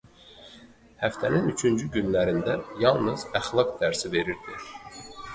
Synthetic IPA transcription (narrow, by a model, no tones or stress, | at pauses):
hæft̪ʰæninyt͡ʃʰynd͡ʒyɟynlæɾind̪æjɑlˠnɯz̥æxlˠɑkd̪æɾsive̞ɾiɾd̪̥i